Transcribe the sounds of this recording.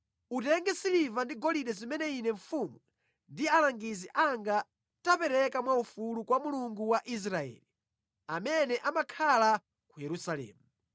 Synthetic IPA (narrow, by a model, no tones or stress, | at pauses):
utɛŋɡɛsilivandiɡɔliɗɛzimɛnɛinɛɱfumwu | ndialaŋɡiziʔaŋɡa | tapɛɾɛkamwaufulukwamuluŋɡuwaʔis̬ɾaɛ̰ːli | amɛnɛʔamakʰala | kujɛɾusalɛ̰ːmu